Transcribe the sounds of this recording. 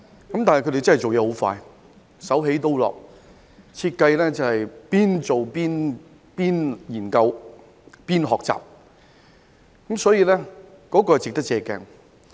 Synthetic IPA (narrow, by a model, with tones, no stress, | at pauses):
kɐ˨mt̪aː˨nhkʰt̪e˨˩t͡sɐ˥nhjt͡ʃo˨wjɛː˧ho˨˥wfa̰ː˧j | sɐ˨˥wɦe˨˥jt̪o˥wlɔ̰ː˨k̚ | t͡sʰiː˧t̚kɐ˧jlɛː˥t͡sɐ˨whɐ˨jpiː˥nt͡so˨wpiː˥n | piː˥njiː˨˩nkɐ˧w | piː˥nɦɔː˨k̚t͡sa̰ː˨p̚ | kɐ˨˦msɔː˨˥jiː˧lɛː˥ | kɔː˨˥kɔː˧˨˩t͡sɪ˨k̚t̪ɐ˥k̚t͡sɛː˧kɛ̰ː˧˩ŋ